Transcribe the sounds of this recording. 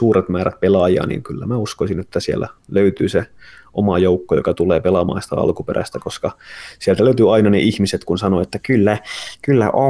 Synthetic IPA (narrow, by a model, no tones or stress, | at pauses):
uːret̪mæːɾæt̪̚pelɑjɑ̰ːnḭːŋkylːæ̰mæuskoisinet̪ːæsiḛlːæ̰løyt̪yːseʔomɑjoukːojo̰kɑt̪uleːpelɑmɑ̰ːnsi̥t̪æ̰ɑ̰lkuperæ̰st̪ækoskɑsielt̪æløyt̪yɑinɑneʔihmiset̪kunsɑnoet̪ːækylːækylːæ̰ʔo